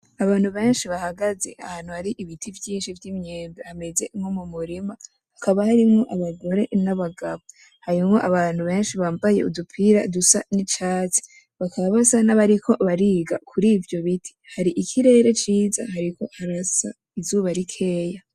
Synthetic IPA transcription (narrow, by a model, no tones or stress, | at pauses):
aβaːn̥huβe̞ːnʃiβahaɡaze̞̰ʔahaːnhuhaɾiʔiβitʰivjiːnʃivjimɲeːmbehame̞ze̞mho̞mumuɾima | hakaβahaɾimŋo̞ʔaβaɡo̞ɾe̞naβaɡaβo | haɾimŋo̞ʔaβaːn̥huβe̞ːnʃiβaːmbaje̞ʔudupʰiɾadusanit͡ʃaːt͡se̥ | βakʰaβaβasanaβaɾikʰo̞βaɾiːɡakʰuɾiːvjo̞βitʰi̥haɾiʔikʰiɾe̞ːɾe̞t͡ʃiːza̰haɾiko̞haɾasa̰ | izuːβaɾikʰe̞ːja